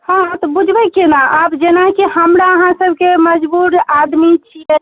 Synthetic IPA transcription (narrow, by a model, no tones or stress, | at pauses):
hãt̪ɔbud͡ʒʱbəkenaʔabd͡ʒenakihəmɾaəɦãsəbʱkeməd͡ʒbuɾad̪mit͡ʃʰijɛ